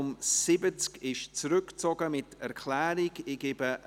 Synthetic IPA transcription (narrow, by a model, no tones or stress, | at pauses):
ʊmsɪbət͡skɪʃt͡sɾʏkt͡sɔɡəmɪtɛɾkʰl̥ɛːɾiɡɪɡ̥ebə